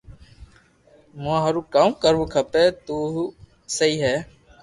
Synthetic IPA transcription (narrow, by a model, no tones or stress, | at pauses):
moãːɦəɾũːkamːkəɾʋũːkʰəpeːt̪uːɦ | səiːɦɛː